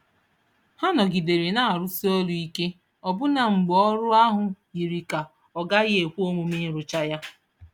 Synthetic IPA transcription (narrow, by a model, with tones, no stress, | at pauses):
ha˦nɔ˨ɡi˨de˨ɾi˨na˦˨a˨ɾʊ˦si˦o˦lu˨i˦ke˦ | ɔ˨bʊ˦na˨ŋ͡m̩˨ɡ͡bɔ˦ɾʊ˦a˦ɦʊ˨ji˨ɾi˨ka˨ | ɔ˨ɡa˦ɣɪ˦e˨kʷu˦o˦mʊ˨mi˦ɾʊ˨t͡ʃa˦ja˦